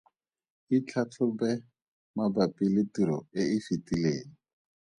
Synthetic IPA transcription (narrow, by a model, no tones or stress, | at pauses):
it͡ɬʰatʰʊbɛ | mabapilɪtiɾɔeifitileːŋ̩